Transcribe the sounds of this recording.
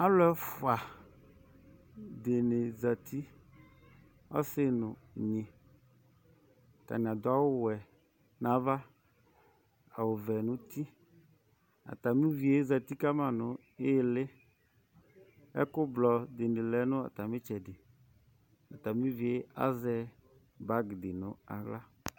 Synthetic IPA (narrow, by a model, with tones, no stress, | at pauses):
a˦lʊ˦ɛ˦fʊ˨a˨ | dɪ˨nɪ˨za˨tʰi˦ | ɔ̰˦sɪ˦nʊ˨ | ɲĩ˨ | a˨ta̰˨nɪ˨a˨dʊ˨˦a˦wʊ˦wɛ˨ | nã˨˦va˦ | a̰˨wʊ˨vɛ˨nʊ̃˦ti˦ | a̰˨ta˨mi˦vi˨e˨˦za˨ti˦ka˦mã˨nʊ˨ | ɪ˦lɪ˦ | ɛ̰˦kʊ˦blɔ˨dɪ˨nɪ˨lɛ˨˦nʊ̃˦a̰˨ta˨mɪ˦t͡ʃɛ˨dɪ˨ | a˨ta˨mɪ̃˦vi˨e˦a̰˦zɛ˦ | ba˦ɡdɪ˨nʊ˨a̰˨ɣla˦